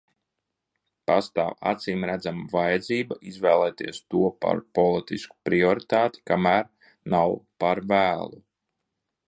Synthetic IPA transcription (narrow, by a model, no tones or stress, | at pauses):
past̪a̰ːwa̰t̪siːmɾæd̪zamavajɛd̪ziːbaʔizvɛːlˠɛːt̪iɛst̪uɔpa̰ɾpɔlˠit̪isku̥pɾiɔɾit̪aːt̪i̥kamæːɾ | nawpaɾvæːlˠu